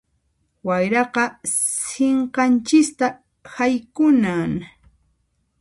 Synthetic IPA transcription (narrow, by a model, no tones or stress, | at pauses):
wajɾɑqɑseɴqɑnt͡ʃɪst̪a | hajkʊnaŋ